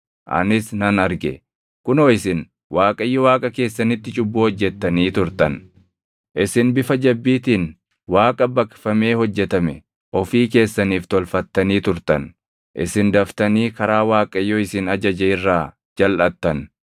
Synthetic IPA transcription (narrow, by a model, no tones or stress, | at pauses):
ʔɐ̰nɪsnɐnɐɾɡɛ̰ | kʊnoːɪsɪn | waːkʼɐjːɔwaːkʼɐke̞ːsːɐnɪt̪ːɪt͡ʃʼʊbːoːhɔd͡ʒːɛt̪ːɐniːt̪ʊɾt̪ɐn | ʔɪsɪnbɪfɐd͡ʒɐbːiːt̪iːn | waːkʼɐbɐkfɐme̞ːhɔd͡ʒːɛt̪ɐmɛ | ʔɔfiːke̞ːsːɐniːft̪ɔlfɐt̪ːɐniːt̪ʊɾt̪ɐn | ʔɪ̰sɪnd̪ɐft̪ɐniːkɐɾaːwaːkʼɐjːɔɪsɪnɐd͡ʒɐd͡ʒɛɪrːaː | d͡ʒɐlʔɐt̪ːɐn